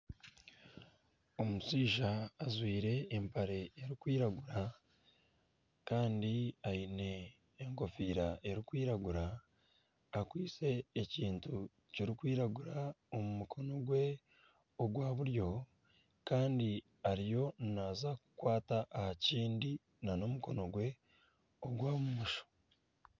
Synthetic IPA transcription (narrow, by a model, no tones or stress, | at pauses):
o̞musiːʒaːzwiːɾe̞ːmpaɾe̞ːɾikwiːɾaɡuɾa | kaːndiaine̞ː | ŋko̞fiːɾaʔe̞ɾikwiːɾaɡuɾaː | kwiːt͡se̞ːciːntu | ciɾikwiːɾaɡuɾao̞mumukʰo̞no̞ɡwe̞ | oɡwaːβuɾjo̞ | kaːndi | aɾijo̞naːzaku̥kwaːtaʔːhaciːndi | nano̞muko̞no̞ɡwe̞ | o̞ɡwaːmumuʃo̥